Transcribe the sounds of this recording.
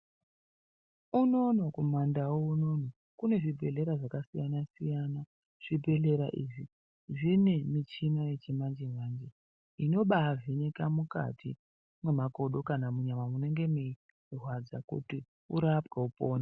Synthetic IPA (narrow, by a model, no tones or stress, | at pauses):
uno̞nokumandawouno̞no | kune̞ʐibʱe̞ɮe̞ɾaʐakasijanasijana | ʐ̥ibʱe̞le̞ɾaʔḭʐi | ʐine̞mit͡ʃinaje̞t͡ʃemand͡ʒemaːnd͡ʒe | ino̞ɓaːvinekamuka̰tʰḭ | mwe̞mako̞ɗo̞kanamuɲamamune̞ŋɡe̞me | rwad͡zakṵti | uɾapɡaupo̞ːna